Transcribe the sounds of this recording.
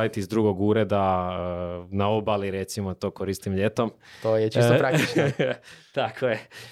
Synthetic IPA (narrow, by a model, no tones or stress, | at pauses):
it̪izd̪ɾuːɡo̞ɡuːɾe̞d̪a | naobaliɾe̞t̪simo̞t̪o̞ːkoɾist̪imʎe̞t̪o̞mt̪ojet͡ʃisopɾa | t̪akʰoje